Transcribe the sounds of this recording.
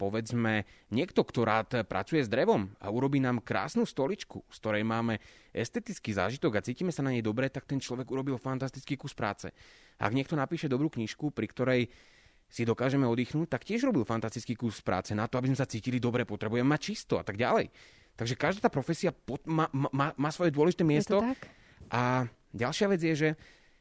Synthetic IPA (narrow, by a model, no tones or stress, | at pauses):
pɔʋɛd͡zmɛɲɪɛkt̪ɔkt̪ɔɾaːt̪pɾʔa̰t͡sujɛzd̪ɾɛʋɔma̰uɾɔbiːnaːmkɾa̰ːsnuːst̪ɔlit͡ʃkufskt̪ɔɾɛjmaːmɛ | ʔɛ̰st̪ɛt̪it͡skiːza̰ːʒit̪ɔɡat͡siːciːmɛsanaɲɛjd̪ɔbɾɛt̪ak̚t̪ɛnt͡ʃlɔʋɛɡuɾɔbilfant̪ast̪i̥t͡skiːkuspɾa̰ːt͡sɛ̰ | aa̰ɡɲɪɛk̚t̪ɔnapiːʃɛd̪ɔbɾuːkɲiʃkupɾikt̪ɔɾɛj | sid̪ɔkaːʒɛmɛɔd̪iːxnuːc̚t̪akcɪɛʒɾɔbilfant̪ast̪it͡skiːkuɾspɾʔa̰ːt͡sɛnat̪ɔabizmɛsat͡siːcilid̪ɔbɾɛpɔt̪ɾɛbujɛmɛmac̚t͡ʃist̪ɔa̰t̪aɡɟa̰lɛj | t̪aɡʒɛkaʒd̪aːt̪aːpɾɔfɛsiapɔmamaːmaːsʋɔjɛd̪ʊɔlɛʒit̪ɛːmɪɛstt̪ɔ | ʔa | ɟalʃɪaʋɛd͡zjɛʒɛ